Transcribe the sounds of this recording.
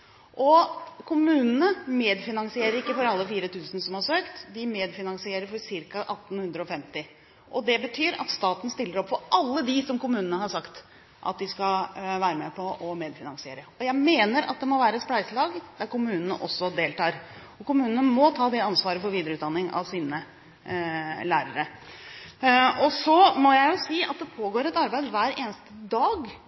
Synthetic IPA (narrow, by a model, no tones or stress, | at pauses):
ʔɔkʰʊmʉːnənəmeːd̪fɪnɑŋsɪeːɾəɾɪkːəfɔɾɑlːəfiːɾət̪ʰʉːsnsɔmhɑɾʂøːkt̪d̪ɪmeːd̪fɪnɑŋsɪeːɾəɾfɔɾsɪɾkɑʔɑt̪ːn̩hʉnd̪ɾəɔfɛmt̪ɪ | ʔɔd̪ɛbət̪ʰyːɾɑ̰t̪st̪ɑːt̪n̩st̪ɪlːəɾɔpːfɔɾʔɑlːəd̪ɪsɔmkʊmʉːnənəhɑʂɑkt̪ | ʔɑ̰t̪̚d̪ɪskɑʋæːɾəmɛpʰɔɔmeːd̪fɪnɑŋsɪeːɾəɔjæɪmeːnəɾɑ̰t̪̚d̪ɛmɔʋæːɾəɛt̪splæɪsəlɑːɡd̪̥æɾkʊmʉːnənəʔɔsːɔd̪eːlt̪ɑːɾ | ɔkʊmʉːnənəmɔt̪ʰɑːd̪ɛɑnsʋɑːɾəfɔɾʋiːd̪əɾəʉːt̪d̪ɑnːɪŋɑ̰ʋsiːnə | læːɾəɾə | ɔsɔmɔjæɪjʊsiːɑ̰t̪̚d̪ɛpʰoːɡoːɾɛt̪ɑɾbæɪd̪ʋæːɾeːnəst̪əd̪ɑːɡ